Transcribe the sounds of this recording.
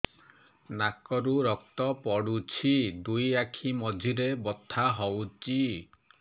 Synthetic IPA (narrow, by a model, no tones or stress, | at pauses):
nakɔɾuɾɔk̚t̪ɔpɔɽut͡ʃʰid̪ujakʰimɔd͡ʒʱiɾebɔt̪ʰːaɦɔwt͡ʃi